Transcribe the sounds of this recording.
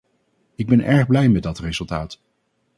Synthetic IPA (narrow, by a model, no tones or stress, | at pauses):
ɪɡ̚bɛnʔɛɹχblɛjmɛt̚dɑtrezɵlˠtaːt